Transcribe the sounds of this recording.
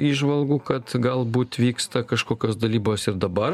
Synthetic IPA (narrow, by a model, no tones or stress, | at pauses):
iːʒʋɐlˠɡuːkɐt̪ɡɐlˠbuːt̪ʋʲiːkst̪ɐkɐʃkoːkʲoːsd̪ɐlʲiːboːsɪɾd̪ɐbɐr